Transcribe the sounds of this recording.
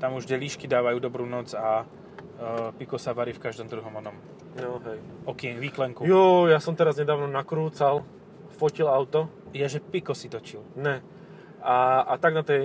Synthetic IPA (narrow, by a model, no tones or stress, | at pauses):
t̪amuʒɟɛʎiʃkid̪aːʋajuːd̪ɔbɾuːnɔd͡za | pikɔsaʋaɾiːfkaʒd̪ɔmd̪ɾuɦɔmɔnɔm | nɔɦɛjɔkɪɛɲʋiːklɛŋkujɔjasɔmt̪ɛɾazɲɛd̪aːʊnɔnakɾuːt͡sal | fɔcilaʊt̪ɔ | jɛʒɛpikɔsit̪ɔt͡ʃilnɛ | aat̪aɡnat̪ɛj